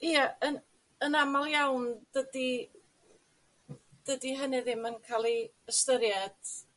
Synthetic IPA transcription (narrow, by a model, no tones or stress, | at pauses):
iəən | ənamalˠjawnd̥ədi | d̥ədiɦənɪðɪmənkʰalˠi | əstəɾjɛd̥